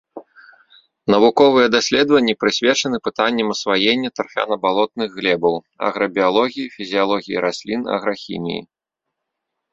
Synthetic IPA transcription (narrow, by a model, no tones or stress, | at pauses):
nɐvukɔvɨjɛd̪asʲlʲɛd̪vɐnʲːipɾɨsʲvʲɛt͡ʂɐnɨpɨt̪anʲːɛmɐsvajenʲːɐt̪ɐrfʲa̰nɐbalˠɔt̪̚nɨɣːlʲɛbɐw | ɐ̰ɣɾɐbʲialˠɔɣʲijifʲizʲijalˠɔɣʲijḭɾasʲlʲinɐ̰ɣɾɐxʲḭmʲḭjḭ